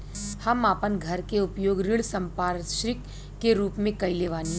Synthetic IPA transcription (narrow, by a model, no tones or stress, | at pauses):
hɐmaːpənɡʱɐɾkeʊpjoːɡɾɪɭsɐ̃mpaːɾʃɾɪkː | eɾuːpmẽkɐileːʋaːniɦ